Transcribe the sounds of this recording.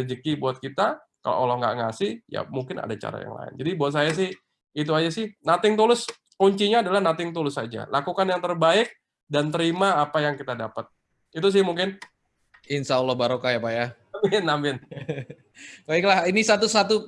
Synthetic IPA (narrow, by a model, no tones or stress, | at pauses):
d͡ʒəkibuat̪̚kit̪a | ka̰lo̰ʔalɔhŋɡa̰ʔŋasɪhja̰muŋkɪna̰dat͡ʃa̰ɾa̰ja̰ŋla̰ɪ̰nd͡ʒadibaat̪̚sajas̬ɪh | it̪̬uad͡ʒasɪhnat̪ɪŋt̪ulʊs | kuɲt͡ʃiɲaːdalahnat̪ɪŋt̪ulʊsad͡ʒa̰lakukanjaŋt̪ərbaɪk̚ | dant̪əɾimaːpajaŋkit̪adapət̪̚ | it̪us̬ɪhmuŋkɪn | ɪnsaulːɔhbaɾokajapajaambɪnambɪn | baiklahinisat̪usat̪u